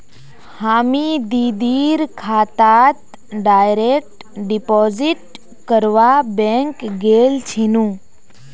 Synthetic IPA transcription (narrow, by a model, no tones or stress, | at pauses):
haːmid̪iːd̪iːɾkʰaːt̪aːt̪ | ɖaːjɾek̚ʈ | ɖipɔːziʈ | kəɾʋabẽŋkɡeːlt͡ʃʰinũː